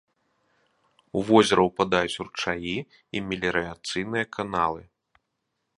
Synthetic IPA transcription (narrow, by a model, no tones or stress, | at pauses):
uvɔzʲɛɾɐwpad̪ajut͡sʲurt͡ʂaji | imʲɛlʲɛɾɨat̪sɨjnɨjɐkʰanalˠɨ